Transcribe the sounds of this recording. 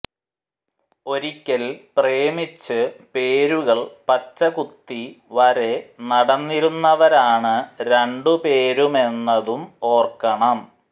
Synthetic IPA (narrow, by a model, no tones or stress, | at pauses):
o̞ɾikʲːɐlpreːmit͡ɕːɨpe̞ːɾuɣɐɭpɐt͡ɕːɐkut̪ːiʋɐɾe̞nɐɽɐnːiɾunːɐʋɐɾaːɳɨɾeɳɖupe̞ːɾume̞nːɐðumo̞ːrkɐɳɐm